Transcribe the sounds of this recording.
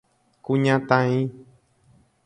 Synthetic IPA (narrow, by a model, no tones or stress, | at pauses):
kuɲãt̪ãĩ